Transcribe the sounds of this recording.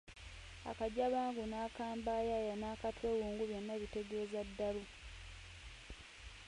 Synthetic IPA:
a̰kaɟaβaːŋɡunaːkaːmbajajanaːkatweːwuːŋɡuβjo̞nːaβite̞ɡe̞ːzadːalu

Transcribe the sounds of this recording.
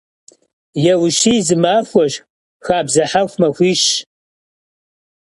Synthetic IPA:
jɛwʃiːzɨmaːxʷɔʃ | xaːbzɐħaxʷmɐxʷiːʃ

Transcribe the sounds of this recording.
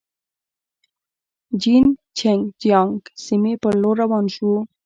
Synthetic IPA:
d͡ʒint͡ʃʰeŋɡd͡ʒijɑŋɡsimepəɾloɾawɑnʃu

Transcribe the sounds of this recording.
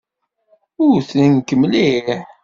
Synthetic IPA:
ʊɾθnənkəmliħ

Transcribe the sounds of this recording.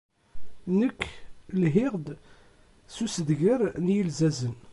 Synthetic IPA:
nəkːlɦɪʁd̪ | susəðʝəɾnjəlzæzən

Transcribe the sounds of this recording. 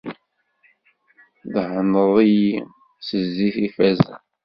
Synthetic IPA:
ðhənəðˤiji | səzːiθifæzæ̰

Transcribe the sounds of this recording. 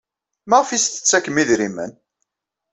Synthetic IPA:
mæʁfist̪ə̥t͡sːækːəmiðɾimə̰n

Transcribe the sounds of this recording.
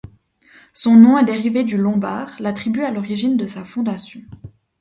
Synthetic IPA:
sɔ̃nɔ̃ɛd̪eʁived̪ylɔ̃baːʁlat̪χibyalɔʁiʒind̪əsafɔ̃d̪asjɔ̃

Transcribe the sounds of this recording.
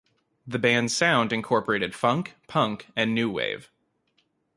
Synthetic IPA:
ðɨbæ̃nz̥sãʊ̃ndɨ̃nkʰɔɹpə˞eɪɾɨd̥fʌ̃ŋkpʰʌ̃ŋkɨ̃nːʉwḛɪv̥

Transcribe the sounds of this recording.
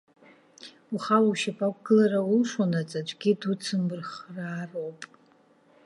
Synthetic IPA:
uχawawʃapʰʼakʷʰʼɡ̥ɨlaɾaulʂanat͡sʼat͡ʃʷʼɡʲidut͡sʰɨmbɨrχraːrowpʼ

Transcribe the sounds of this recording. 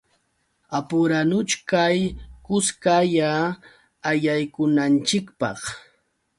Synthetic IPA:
apʊɾanʊt͡ʃkajkʊskajaː | jajkʊnant͡ʃɪkpɑ̰χ

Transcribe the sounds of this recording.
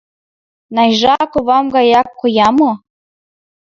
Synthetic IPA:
nɑjʒɑkoβɑmɡɑjɑkːojɑmo

